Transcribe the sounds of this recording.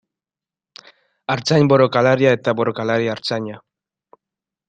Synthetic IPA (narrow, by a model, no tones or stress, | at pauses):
aɾt͡saɲboɾokalaɾiaet̪aboɾokalaɾiaːɾt͡saɲa